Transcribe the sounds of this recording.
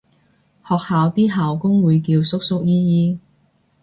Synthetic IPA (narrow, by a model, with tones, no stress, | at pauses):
hɔː˨k̚haː˨wt̪iː˥ɦaː˨wkʊ˥ŋwuː˨˧jkiː˧wsʊ˥k̚sʊ˥k̚jiː˥jiː˥